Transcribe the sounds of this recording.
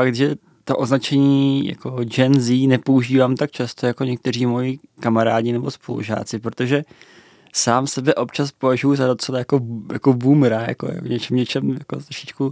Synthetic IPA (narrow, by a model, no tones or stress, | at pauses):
fakt̪ʒɛ | t̪oʔo̞znat͡ʃɛɲiːja̰ko̞d͡ʒɛnziːnɛpo̞uʒiːvaːmt̪ak̚t͡ʃast̪o̞jako̞ɲɛk̚t̪ɛr̝iːmo̞jɪkamaɾaːdɲɪnɛbo̞spo̞lṵʒa̰ːt͡sɪpɾot̪o̞ʒɛ | saːmsɛbɛʔo̞pt͡ʃaspo̞vaʒujuzado̞t͡sɛlajako̞jako̞bumɾaja̰ko̰jɲɛt͡ʃɛmɲɛt͡ʃɛmjako̞̰t̪ɾoʃɪt͡ʃku